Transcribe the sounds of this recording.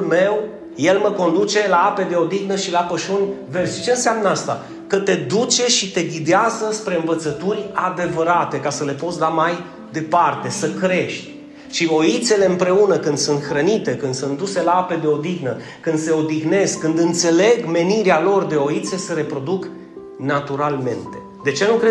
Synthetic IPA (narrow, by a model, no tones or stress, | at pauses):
me̞w | je̞lməko̞nd̪ut͡ʃe̞laape̞d̪e̞o̞d̪iɣnəʃilapəʃunʲve̞rʃit͡ʃe̞ɨnseamnəast̪a̰ | kət̪e̞d̪ut͡ʃe̞ʃit̪e̞ɡʲid̪eazəspɾe̞ɨnvət̪sət̪urʲad̪e̞vəɾat̪e̞kasəle̞po̞t̪sd̪amaj | d̪e̞part̪e̞səkɾe̞ʃt̪ʲ | ʃio̞it̪se̞le̞ɨmpɾe̞unəkɨnd̪sunt̪xɾənit̪e̞kɨnd̪sunt̪d̪use̞laape̞d̪e̞o̞d̪ixnə | kːɨnd̪se̞o̞d̪iɣne̞zkːɨnd̪ɨnt̪se̞le̞ɡme̞niɾealo̞rd̪e̞o̞it̪se̞səɾe̞pɾo̞d̪uk | nat̪uɾalme̞̰nt̪e̞ | d̪e̞t͡ʃe̞nukɾe